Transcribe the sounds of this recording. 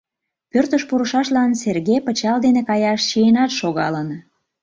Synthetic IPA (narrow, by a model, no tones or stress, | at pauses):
pørt̪əʃpuɾəʃɑʃlɑnserɣepət͡ɕɑld̪enekɑjɑʃɕienɑt̪ʃoɣɑlən